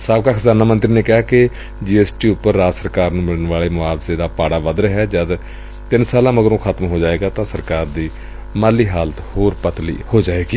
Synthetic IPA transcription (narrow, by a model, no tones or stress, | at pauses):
saːbkaːkʰəzaːnaːmənt̪ɾiːneːkɪaːkɪ | d͡ʒiːɛːsʈiːʊpːəɾːaːd͡ʒsəɾkaːɾnũːmɪɽəɳʋaːleːmʊaːbseːd̪aːpaːɽaːʋəd̪ɾɦɛːd͡ʒəd̪ | t̪ɪnsaːlãːməɡəɾõːkʰət̪mɦoːd͡ʒaːeːɡaːt̪ãːsəɾkaːɾd̪iː | maːliːɦaːlət̪hoːɾpət̪lḭːhoːd͡ʒaːeːɡiː